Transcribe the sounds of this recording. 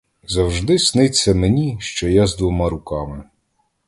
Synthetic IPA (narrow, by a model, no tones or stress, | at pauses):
zɐwʒd̪ɪsnɪt͡sʲːɐmenʲiʃt͡ʃɔjazd̪ʋɔmɑɾʊkɑmɪ